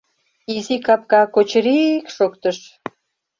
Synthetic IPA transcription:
izikɑp̚kɑkot͡ɕɾikʃokt̪əʃ

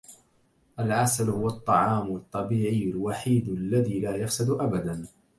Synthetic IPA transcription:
ʔalʕasalhʊwɑt̪ˤːɑʕɑːmɑt̪ˤːɑbiːʕɪjːalwaħiːd̪alːaðiːlaːjafsɪd̪ʔabad̪an

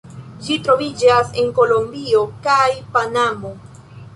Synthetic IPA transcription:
d͡ʒitɾo̞vid͡ʒase̞ŋko̞lo̞mbio̞kajpanamo̞

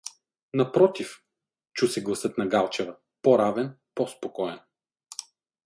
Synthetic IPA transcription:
nɐpɾɔt̪if | t͡ʃusɛɡlˠɐsɤt̪nɐɡalˠt͡ʃɛvɐ | pɔɾavɛnpɔspokɔɛn

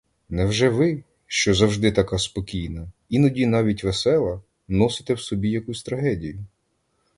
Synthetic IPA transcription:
nɛwʒɛʋɪ | ʃt͡ʃɔzɐwʒd̪ɪt̪ɐkɑspɔkʲijnɐ | inɔdʲinɑʋʲitʲʋesɛlˠɐ | nɔsɪ̥t̪ɛwsɔbʲijɐkusʲt̪ɾɐɦɛdʲijʊ

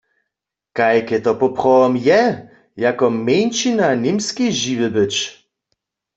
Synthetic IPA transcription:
kajkɛt̪ɔpɔpʁɔwɔmjɛ | jakɔmejnt͡ʃinanimskiʒivɨbɘt͡ʃ

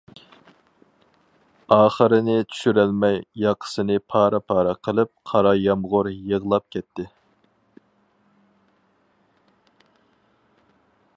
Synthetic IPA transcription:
ɑːχəɾɪnɪt͡ʃ̪ʰy̥ʃyɾælmɛjːɑqʰə̥sɨnɨpʰɑːɾɑpʰɑːɾɑqʰəlˠɨp̚qʰɑɾɑjɑmʁʊɾjəʁlˠɑp̚kʲʰɛt̪ʰːɪ

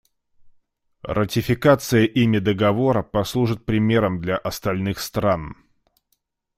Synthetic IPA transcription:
rətʲɪfʲɪkat̪sɨjəʔimʲɪd̪əɡɐvo̞ɾəpɐslˠuʐɨt̪̚pɾʲɪmʲe̞ɾəmd̪lʲaʔɐst̪ɐlʲnɨxst̪ɾan

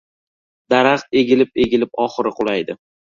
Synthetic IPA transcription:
d̪̥aɾaχt̪e̞ɡʲɪlɪp̚e̞ɡʲɪlɪp̚ɒχɨɾɪqʰʊlˠajd̪ɪ

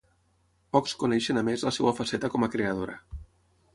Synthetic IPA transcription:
pɔkskunɛʃənamezləsɛwafasɛt̪akɔmakɾeəð̞oɾə̰

